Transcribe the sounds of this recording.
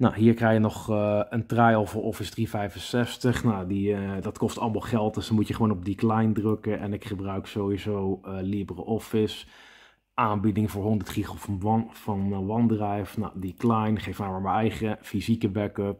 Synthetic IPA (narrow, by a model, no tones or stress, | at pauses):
naɦiːɹkrɛxjənɔχəntrɛjɔlˠvəɹʔɔfɪsdrivɛjfənsɛstəχnadidɑtkɔstɑləmɑlˠχɛlˠt̚dɵsdɔnmutjəχəʋoːnɔb̚diklɛjndrɵkəʔɛ̰nɪkχəbrœɥksowizowəliəbərəʔɔfɪs | ʔaːnbidɪŋvʊːɹɦɔndəɹtχiχffɑnʋɑndrɛjfnadiklɛjnχejfmaːɹmaːɹmənɛjχəfizikəbɛkøp̚